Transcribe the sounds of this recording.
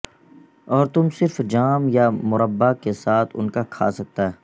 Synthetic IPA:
ɔːɾt̪ʊmsɪɾfd͡ʒaːmjamʊɾəbːakesaːt̪ʰʊ̰nkakʰa̰ːsɐk̚t̪aɦɛː

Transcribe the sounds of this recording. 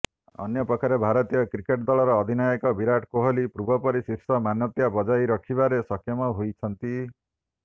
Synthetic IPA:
ɔ̰njɔpɾɔkʰaɾebʱaɾɔt̪ijɔkɾikeʈd̪ɔɭɔɾɔːd̪ʱinajɔkɔbiɾaʈkoɦolipɾubʱɔpɔɾisisɔmanjɔt̪jabɔd͡ʒajɾɔkʰibaɾesɔkʰjɔmɔɦojt͡ʃʰɔnt̪i

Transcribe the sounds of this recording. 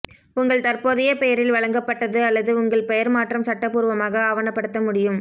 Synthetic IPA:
ʊŋɡɐɭt̪ɐrpoːðɪjɐpɛjɐɾɪlʋɐɭɐŋɡɐpːɐʈːɐðɯɐlːɐðɯʊŋɡɐɭpɛjɐɾmaːʈrɐmsɐʈːɐpːuːɾʋɐmaːɣɐːʋɐnɐpːɐɽɯt̪ːɐmʊɽɪjɯm

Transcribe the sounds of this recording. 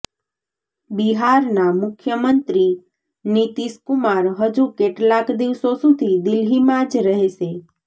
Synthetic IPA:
biɦaɾnamʊkʰjəmənt̪ɾi | nit̪iskumaɾɦəd͡ʒukeʈlakd̪iʋsosud̪ʱid̪ɪlɦimãd͡ʒɾəɦeʃe

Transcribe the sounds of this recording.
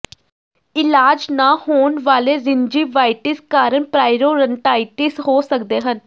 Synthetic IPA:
ɪlaːd͡ʒnaːhoːnʋaːleːɾɪnd͡ʒiːʋaːɪʈɪskaːɾəɳpɾaːɪɾoːɾəɳʈaːɪʈiːsɦoːsəkd̪eːɦən

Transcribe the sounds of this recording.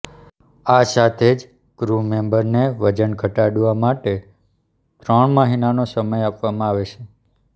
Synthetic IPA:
asat̪ʰed͡ʒ | ɡ̥ɾumembəɾneʋəd͡ʒənɡʱəʈaɽʋamaʈe | t̪ɾəɳ̃məɦinanosəməjapʋamãaʋet͡ʃʰe

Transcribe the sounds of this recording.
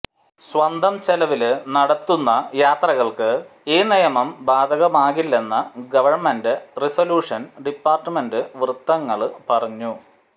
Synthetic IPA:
sʋɐnd̪ʱɐmt͡ɕelɐʋilnɐɽɐt̪ːunːɐjaːt̪rɐɣɐɭkɨiːnijɐmɐmbaːd̪ʱɐɣɐmaːɣilːe̞nːɐɡɐʋɐrmendɨrisoluːʂɐnɖipːaːrʈːɨmendɨʋrɨt̪ːɐŋːɐɭpɐrɐɲːu

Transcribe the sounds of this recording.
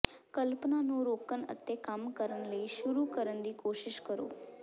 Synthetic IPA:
kəlpnanũːɾoːkənə̰t̪ːekamkəɾənləiʃʊɾukəɾənd̪iːkoːʃɪʃkəɾo̰ː

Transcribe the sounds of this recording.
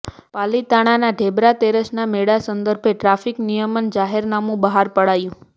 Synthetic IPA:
palit̪aɽ̃anaɖʱebɾat̪eɾəʃnameɽasənd̪əɾbʱeʈɾafiknijəmənd͡ʒaɦeɾnamũbəɦaɾpəɽajũ

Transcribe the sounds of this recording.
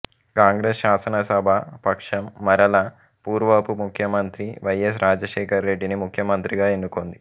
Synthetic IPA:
kaːŋɡɾeːsʃaːsɐnɐsɐbʱɐpɐkʂɐmːɐɾɐlɐ | puːɾʋɐpumukʰjɐmɐnt̪ɾiʋɐjes̬ɾaːd͡ʒɐʃɛːkɐɾːe̞ɖːinimukʰjɐmɐnt̪ɾiɡaːenːukond̪i

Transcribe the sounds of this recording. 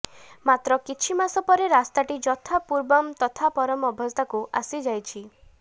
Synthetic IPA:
mat̪ɾɔkit͡ʃʰimasɔpɔɾeɾast̪aʈid͡ʒɔt̪ʰapuɾbɔmt̪ɔt̪ʰapɔɾɔmɔbʱɔst̪akuʔa̰sid͡ʒajt͡ʃʰi

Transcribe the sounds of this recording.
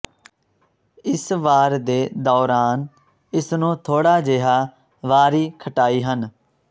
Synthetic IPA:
ɪsʋaːɾd̪eːd̪ɔːɾaːn | ɪsnũːt̪ʰoːɽaːd͡ʒeːɦaː | ʋaːɾiːkʰəʈaːiːɦən

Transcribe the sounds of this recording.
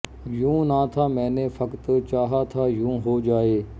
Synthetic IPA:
jũːnaːt̪ʰaːmɛ̃ːnefəkt̪t͡ʃaːɦaːt̪ʰaːjũːɦoːd͡ʒaːeː

